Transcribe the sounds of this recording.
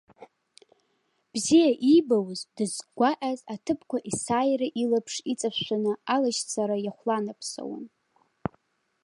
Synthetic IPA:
b̥zijaʔibawzdɨzɡʷaʔazatʰɨpʰkʷaʔisaːjraʔilapʰʂit͡sʼapʃʷanɨalaʃt͡sʰaɾajaχʷlanapʰso̰w̰n

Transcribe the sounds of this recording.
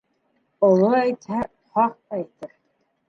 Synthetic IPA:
ŏlˠoæjt̪hæ | χɑq̚æjt̪ɘɾ

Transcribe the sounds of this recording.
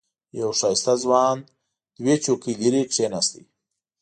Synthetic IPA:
jawʂajst̪azwɑːn | d̪wet͡ʃokiliɾikʂenast̪i

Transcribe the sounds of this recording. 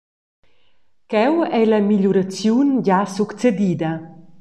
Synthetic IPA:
kɛwɛlamiʎuɾat͡sjunɟasukt͡sed̪iːd̪ɐ

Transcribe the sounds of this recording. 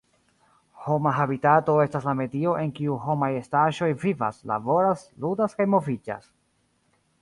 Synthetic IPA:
ho̞maɦabitato̞e̞staslame̞dio̞ʔe̞ŋkiuɦo̞majestaʒo̞jviva̰sla̰bo̞ɾasludaskajmo̞vid͡ʒa̰s

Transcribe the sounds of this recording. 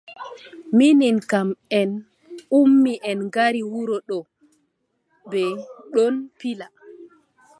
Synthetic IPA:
mininkamɛn | umːiʔɛnɡaɾiwuɾɔɗɔ | bɛɗɔnpila

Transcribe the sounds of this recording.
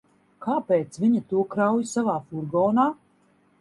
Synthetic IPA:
kaːpeːt̪sviɲat̪uɔkɾawjsavaːfuɾɡɔːnaː

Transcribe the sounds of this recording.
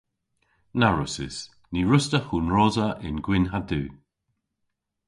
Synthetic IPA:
naɹʊsɪ̰s | niɹʊstəxuːnɹɔzəʔɪnɡwɪnɦaduː

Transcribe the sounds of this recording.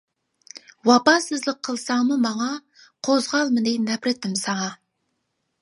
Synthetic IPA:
wɑpɑsɨzlˠɪqʰːəlˠsɑɴməmɑɴɑ | qʰozʁɑlˠmənejnæpɾɪt̪ɪmsɑɴɑ

